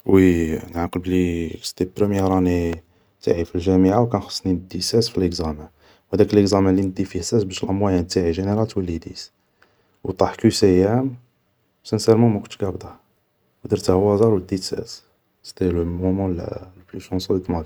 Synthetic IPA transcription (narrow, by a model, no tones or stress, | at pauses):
winʕaqlblist̪ipɾəmjəɾˤɑni | t̪aʕifilʒæmiʕawkænxə̥sˤːnind̪ːisæsfiləkzæmə | whæd̪ækələkzæmælinəd̪ifiħsæsbæʃəlʔəmwæjænt̪aʕiʒənəɾɑlt̪wəlːid̪is | wt̪ˤɑħkusæjæm | sænsæɾmæmækʊnɡæbd̪ɑ | d̪iɾt̪æhwæzˤɑɾwəd̪ːisæ̰s | st̪ilmumɑ̃l̰lplyʃɑ̃nsˤulik̪mæd̪